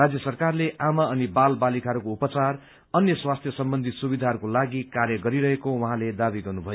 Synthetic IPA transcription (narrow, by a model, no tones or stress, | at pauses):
ad͡zjʌsʌrkarleʔamaʌnibalbalikaɦɾukoupʌt͡sar | ʌnjʌswast̪ʰjʌsʌmbʌnd̪ʱit̪subid̪ʱaɦʌɾukolaɡikaɾjʌɡʌɾiɾʌɦekowʌɦãled̪abiɡʌrnubʱʌjo